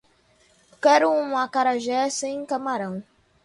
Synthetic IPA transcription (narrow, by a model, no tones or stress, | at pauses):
kɛɾuũakaɾaʒɛsẽj̃kamaɾɐ̃w̃